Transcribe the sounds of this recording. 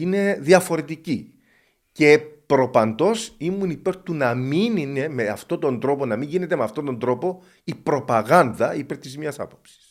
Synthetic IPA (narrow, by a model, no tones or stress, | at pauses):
ine̞ðiɐfo̞ɾe̞t̪ici | ce̞pɾo̞pɐnd̪o̞simunipe̞ɾt̪unɐminine̞me̞ɐft̪o̞t̪o̞nd̪ɾo̞po̞nɐmiɲʝine̞t̪emeɐft̪ot̪o̞nd̪ɾo̞po̞ | ipɾo̞pɐɣɐnd̪ɐipe̞ɾt̪izmɲɐsɐ̰po̞̥psi̥s